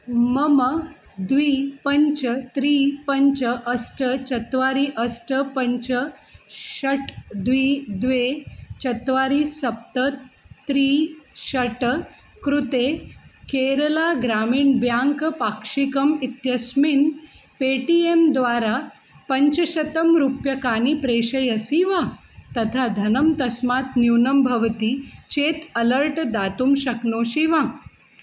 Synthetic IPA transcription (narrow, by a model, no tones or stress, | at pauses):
məmə | d̪ʋiːpəɲt͡ɕət̪ɾiːpəɲt͡ɕəʔəsʈət͡ɕət̪ʋaɾiːʔəsʈəpəɲt͡ɕəɕəʈd̪ʋiːd̪ʋet͡ɕət̪ʋaɾiːsəp̚t̪ət̪ːɾiːɕəʈ | kɾut̪ekeɾəlaɡɾamiːnbjaŋkpakʂikəmit̪jəsmin | peʈiemd̪ʋaɾa | pɐɲt͡ɕəɕɐt̪əmɾupjɐkaːnipɾeɕəjəsiʋa | t̪ɐt̪ʰad̪ʱɐnəmt̪ɐsmat̪niwnəmbʱɐʋt̪it͡ɕet̪ɐləɾʈd̪at̪umɕɐknoːɕiʋa